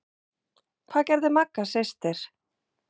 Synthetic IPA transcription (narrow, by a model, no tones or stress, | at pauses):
kʰvaːðcɛɾðɪmakːasest̪ɪɾ̥